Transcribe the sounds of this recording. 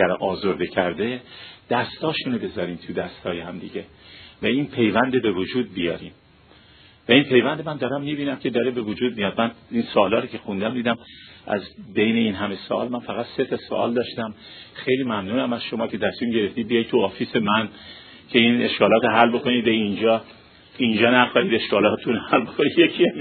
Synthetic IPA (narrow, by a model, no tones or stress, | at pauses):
æɾʔɒːzoɾd̪ecʰæɾd̪ed̪̥æst̪ɒːʃunebe̞zɒːɾiːmt̪ʰud̪æst̪hɒːjehæmd̪iɟe̞væiːnpʰe̞jvænd̪ebe̞vod͡ʒuːd̪̚bijɒ̰ːɾiːm | væinpʰe̞jvænd̪emænd̪ɒːɾæmːiːbiːnæmcʰe̞d̪ɒːɾebe̞vod͡ʒuːd̪̚mijɒːd̪̚mæninsoːlɒːɾocʰe̞xund̪æmd̪iːd̪æmʔæ̰zbe̞jne̞inɦæme̞soʔɒ̰ːlmænfæɣæt̪se̞t̪ʰɒso̰ʔɒ̰ld̪ɒːʃt̪æm | xe̞jliːmæmnuːnæmæz̥ʃomɒːcʰe̞t̪ʰæsmimɟeɾe̞ft̪iːbijɒjt̪̚ʰuɒːfiːse̞mæn | cʰe̞ine̞ʃkɒːlɒːt̪ɦælbo̞ko̞niːd̪eind͡ʒɒː | ind͡ʒɒːnæxɒːiːd̪eʃkɒːlɒːt̪ʰunhælbokʰonid̪jekʰiæ